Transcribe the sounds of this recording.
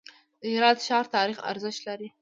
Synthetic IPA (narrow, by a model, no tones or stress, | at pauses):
d̪əhɪɾɑd̪ʃɑɾt̪ɑɾixa̰ɾzəʃt̪laɾi